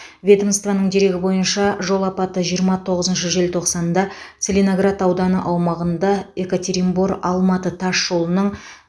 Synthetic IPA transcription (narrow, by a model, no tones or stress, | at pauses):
vʲe̞d̪omst̪vɑnəɴd̪e̞ɾe̞ɡʲɪbo̞jənʃɑʒo̞lˠɑpɑt̪əʒijəɾmɑt̪ʰo̞ʁəzənʃəʒe̞lt̪ʰo̞qsɑnd̪ɑt̪selʲenoɡrat̪ɑwd̪ɑnə̰ʔɑwmɑʁənd̪ɑe̞kot̪ʰe̞ɾimboɾɑlˠmɑt̪ət̪ʰɑʃʒo̞lˠənəɴ